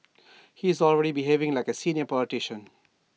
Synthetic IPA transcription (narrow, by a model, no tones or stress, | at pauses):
hizɔlɹɛɾibiɦeːvɪ̃ŋlaɪkəsĩnjəpɔlɪʈɪʃə̃n